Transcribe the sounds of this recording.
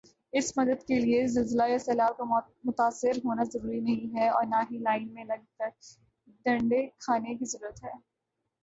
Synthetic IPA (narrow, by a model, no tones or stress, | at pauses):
ɪsmɐd̪əd̪keliezɪlzəlajasɛːlaːb̚ka | mʊt̪aːsːɪɾɦoːnazɐɾuːɾinɐɦĩɦɛɔːɾnaɦilaːɪnmẽlɐɡ̚kəɾ | ɖɐ̃ɳɖekʰaːnek̬izɐɾuːɾət̪ɦɛː